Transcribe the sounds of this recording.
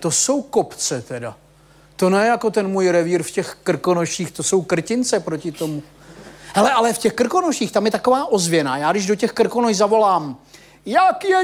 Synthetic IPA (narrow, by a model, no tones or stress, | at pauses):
t̪o̞so̞wkopt͡sɛt̪ɛda̰ | t̪o̞nɛjɛjako̞t̪ɛnmuːjɾɛviːɾfcɛxkr̩konoʃiːxt̪o̞so̞wkr̩cɪnt͡sɛpɾocɪt̪o̞mu | ɦɛlɛʔalɛfcɛxkr̩ko̞noʃiːxt̪amjɛt̪ako̞vaːʔo̞zvjɛnaːjaːɡdɪʒdo̞cɛxkr̩konojzavo̞laːm | jakjɛ